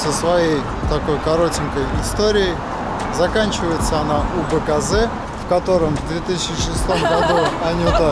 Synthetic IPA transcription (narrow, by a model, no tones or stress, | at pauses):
səsvɐjej | t̪ɐko̞jkɐɾo̞tʲɪnkəjɪst̪oɾʲɪɪ | zɐkanʲt͡ɕɪvəjɪt̪səɐnaʔubəkɐzɛ | fkɐt̪o̞ɾəmvd̪vʲet̪ɨsʲɪt͡ɕɪʂɨst̪o̞mɡɐd̪uɐnʲiʊt̪ə